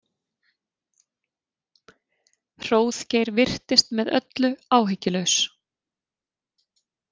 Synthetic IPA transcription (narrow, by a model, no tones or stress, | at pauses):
r̥oːwθcejɾvɪr̥t̪ɪst̪mɛðœ̰t̪lʏaːwɦɪcːɪlœɥs